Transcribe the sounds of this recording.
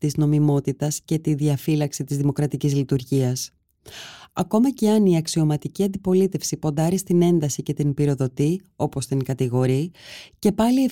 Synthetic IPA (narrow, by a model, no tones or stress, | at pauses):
t̪izno̞mimo̞t̪it̪ɐsce̞t̪iðiɐfilɐksit̪izðimo̞kɾɐt̪icizlit̪uɾʝiɐs | ɐko̞mɐce̞ɐniɐksio̞mɐt̪iciɐnd̪ipo̞lit̪e̞fsipo̞nd̪ɐɾist̪ine̞nd̪ɐsice̞t̪inpiɾo̞ðo̞t̪io̞po̞st̪iŋkɐt̪iɣo̞ɾice̞pɐlie